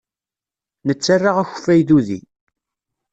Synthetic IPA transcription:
nət͡sːarːaʁæç̥fæjðuðḭ

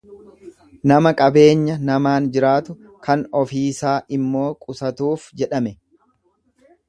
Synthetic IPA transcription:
nɐmɐkʼɐbe̞ːɲːɐnɐmaːnd͡ʒɪɾaːt̪ʊ | kɐnɔfiːsaːʔɪmːo̞ːkʼʊsɐt̪uːfd͡ʒɛᶑɐmɛ

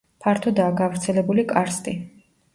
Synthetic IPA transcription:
pʰaɾt̪ʰɔd̪aːɡavɾt̪sʰɛlɛbulikʼaɾst̪ʼi

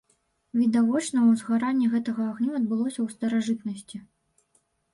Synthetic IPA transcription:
vʲid̪avɔt͡ʂnɐwzɣaɾanʲːiɣɛt̪ɐɣɐːɣnʲuɐd̪̚bɨlˠɔsʲɐwst̪ɐɾaʐɨt̪nɐsʲt͡sʲi

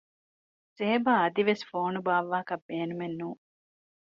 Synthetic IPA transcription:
seɦebaːɐd̪iʋesfoːnubaːʋːaːkɐbːeːnumenːuː

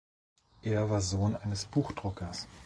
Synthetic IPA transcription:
ʔeːɐvaːɐzoːnʔaɪnəsb̥uːxd̥ʁʊkɐs

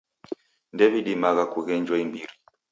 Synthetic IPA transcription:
ndɛviɗimaɣakuɣɛɲd͡ʒwaimbiɾi

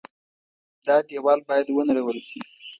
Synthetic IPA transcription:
d̪ɑd̪jewɑlbɑjad̪wənaɽawəlʃḭ

